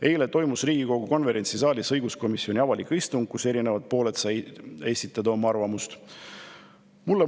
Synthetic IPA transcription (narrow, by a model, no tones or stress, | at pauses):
e̞jle̞t̪o̞jmusriːɡ̥iko̞ɡ̥uko̞nve̞ɾe̞nt̪sisɑːlisɤjɡusko̞misio̞nʲiɑvɑlikːˑist̪uŋɡ̥̚kuse̞ɾine̞vɑd̪̥̚po̞ːle̞t̪sɑe̞sʲit̪ːˑɑd̪ɑo̞mːɑɑrvɑmust̪ | mulːe